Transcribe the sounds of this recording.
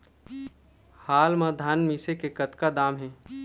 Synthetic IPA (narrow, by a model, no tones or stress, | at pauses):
haːlmãd̪ʱaːnmiːsekekɐt̪kad̪aːmɦɛː